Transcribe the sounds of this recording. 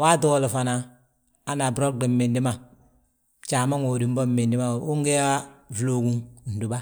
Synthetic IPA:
wa˦tu˦wo˦˨lu˨fa˨na˨ | a˦na˨bɾo˦di˨m˦me˨ndi˦ma˨ | t͡ʃa˨ma˦ŋo˨di˨m˦bɔ˦˨me˨ndi˦ma˦˨u˦ŋɡe˦ja˦vlo˨ɡu˦ŋ˨n˨du˨ba˦

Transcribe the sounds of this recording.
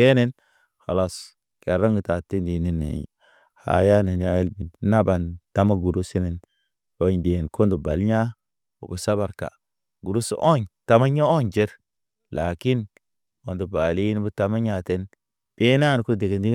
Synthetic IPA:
e˦ne˦n | ha˨la˦˨s | ke˨ɾa˦ŋɡə˨ta˨te˦ndi˨ni˨nːḛ˨ | ha̰˨ja˦ne˨nja˦e˦lbi˨n˦na˦ba˨nta˦ma˦ɡu˨ɾu˦si˦ne˨n | o˨˦ɲde˨n˨ko˦ndu˨ba̰˨lɲa˦ | o̰˨bu˨sa˦βa˨ɾka̰˨ | ɡu˨ɾu˦sṵ˦ʔo˦ɲta˦ma˦ɲa˦o˦ɲd͡ʒe˦ɾ | la˨ki˦n | o˨ndu˨ba˨li˦n˦bu˦ta˨ma˦ɲa˨te˦n | b̥e˦na˦˨n˨ku˦de˨ɡe˨ndi˦

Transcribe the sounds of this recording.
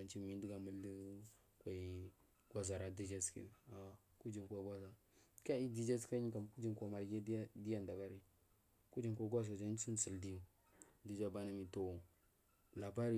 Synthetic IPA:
a˨nt͡ʃi˦mi˨˦n˦di˦ɡa˨mə˦l | kʷa˨i˨ | ɡʷa˦za˨ɾa˨di˦d͡ʒa˦skḭ˨a˨ | ku˦d͡ʒi˨nkwa˨ɡʷa˦za˨ | ka˦i˦di˦d͡ʒa˦ska˦ɲi˦ka˨mku˦d͡ʒi˨nkʷa˨ma˨lɡe˦di˦ja˦nda˨ka˦ɾi˦ | ku˦d͡ʒi˦˨nkʷa˦ɡʷa˦za˨d͡ʒa˦u˦n˦sə˨ldi˦ju˨ | di˦d͡ʒa˦ba˦na˦mi˨to˨wo˨ | la˨ba˦ɾi˦

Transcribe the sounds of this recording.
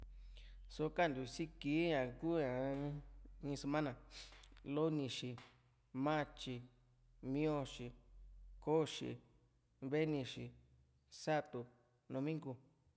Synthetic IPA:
so˧ka˦˨nd̪u˨si˦ki˨˦ɲã˨ku˦ã˨˦ | ĩ˧se˧mã˦nã˨lo˦nĩ˧ʃi˧˨ | mã˦˧t͡ʃi˧ | mĩ˦õ˧ʃi˧ko˦ʃḭ˧ | βe˦nĩ˧ʃi˧ | sa˦t̪u˧ | nõ˧mĩ˦ŋɡu˧

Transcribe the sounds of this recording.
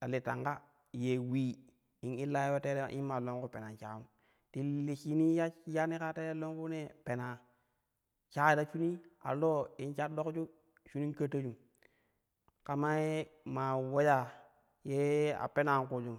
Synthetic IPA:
ta˨li˨ta̰˨ŋɡa˦ | je˨wi˦ | i˨ni˦la˦jwo˦te˦ɾḛ˦ʔi˦n˦ma˨lo˦ŋku˦pe˨na˨t͡ʃa˨u˦ | ti˨li˨t͡ʃi˦ni˦ja˦ja˦ni˦ka˦te˦a˦lo˦ŋku˦ne˦pe˨na˨ | t͡ʃa˦da˨t͡ʃu˦ni˦a̰˨lo˦i˨nt͡ʃa˦do˦kt͡ʃu˦ | t͡ʃu˦ni˦kə˦ta˦d͡ʒu˨m | ka˨ma˦e˦ma˨wo˦ja˨ | je˦a̰˨pe˦na˨ku˨d͡ʒu˨m

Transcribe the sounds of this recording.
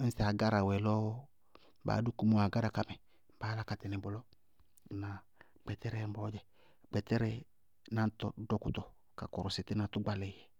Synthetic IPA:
n̩˦sa˨ɡa˦ɾa˨wɛ˨lɔ˦ | ba̰ː˨˦du˦ku˦mo˦˨a˨ɡa˦da˨ka˨mɛ˨ | baː˨˦la˦ka˨tɛ˨nɛ˨bɔ˨lɔ˦˨ | na˨ | k͡pɛ˨t̪ɛ˦ɾɛ˦m̩˦bɔ˨˦d͡ʒɛ˨ | k͡pɛ˨tɛ˦ɾɛ˦ | na˨n˦tɔ˨˦dɔ˦ku˨t̪ɔ˨ | ka̰˨kɔ˨ɾɔ˨sɪ˨tɛ˦na˨t̪u˦ɡ͡ba˦lɛ˨jɛ˨

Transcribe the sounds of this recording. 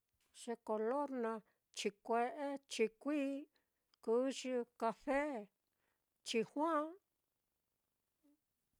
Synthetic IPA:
ʃe˧ko˧lo˦ɾnã˧ | t͡ʃi˧kʷe˧ʔe˦t͡ʃi˧kʷiː˦ | ku˦ʃi˧ka˧fe˦ | t͡ʃi˧hwã˦

